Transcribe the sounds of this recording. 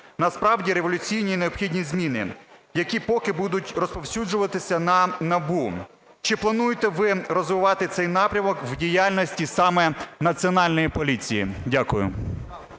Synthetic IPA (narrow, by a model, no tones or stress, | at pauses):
nɐspɾɑwdʲiɾe̞ʋɔlʲʊt͡sʲijnʲineɔpxʲidʲnʲizmʲinɪjɐkʲipɔkɪbud̪ʊtʲrɔspɔwsʲud͡ʒʊʋɐt̪ɪsʲɐnɐnɐbu | t͡ʃɪplˠɐnujet̪ɛʋɪɾɔzʋɪʋɑt̪ɪt̪sɛjnɑpɾʲɐmɔkwdʲijalʲnɔsʲtʲisɑmɛnɐt͡sʲiɔnɑlʲnɔjipɔlʲit͡sʲijḭdʲakʊjʊ̰